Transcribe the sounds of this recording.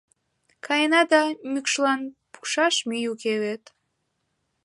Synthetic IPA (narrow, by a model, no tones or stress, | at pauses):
kʰɑjnɑd̪ɑmykʃlɑnpu̥ʃɑʃmijukeβet̪